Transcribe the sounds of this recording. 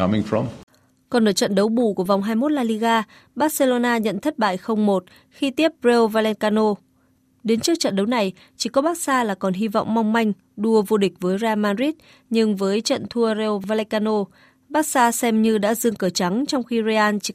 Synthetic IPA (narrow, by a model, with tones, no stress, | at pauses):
a˦mɪ˧ŋfɔ˨m | kɔ˨˩nɗəː˧˩jt͡ɕə̰˧˨nɗə˨˦wɓṵ˧˨ku˧˩əva˨˩wŋ͡mɦaː˧jmo˦˥t̚laː˧li˧ɣaː˧ | ɓaː˦˥t̚se˧lo˧naː˧ɲə̰˧˨nt̪ʰə˦˥t̚ɓa̰ː˧˨jxə˧wŋ͡mmo˨˩t̚ | xi˧t̪i˦˥əp̚ze˧vaː˧lɛ˧nkaː˧no˧ | ɗe˨˦nt͡ɕɨ˦˥ək̚t͡ɕə̰˧˨nɗə˨˦wna˨˩j | t͡ɕi˧˩kɔ˨˦ɓaː˦˥k̚saː˧laː˨˩kɔ˨˩nɦi˧vɔ̰˧˨wŋ͡mma˧wŋ͡mma˧jŋ̟ | ɗu˧əvo˧ɗï˨˩k̟̚vəː˨˦jzaː˧maː˧nzi˦˥t̚ | ɲɨ˧ŋvəː˨˦jt͡ɕə̰˧˨nt̪ʰu˧ze˧wvaː˧lɛ˧kaː˧no˧ | ɓaː˦˥k̚saː˧sɛ˧mɲɨ˧ɗa̰ː˧˥zɨ˧əŋkəː˧˩t͡ɕa˨˦ŋt͡ɕɔ˧wŋ͡mxi˧zi˧ʔaː˧nt͡ɕ